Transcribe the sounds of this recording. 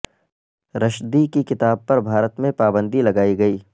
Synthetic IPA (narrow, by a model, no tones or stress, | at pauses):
ɾɐʃd̪iːkikɪt̪aːb̚pɐɾbʱaːɾət̪mẽpaːbə̃nd̪ʱilɐɡaːiɡɐiː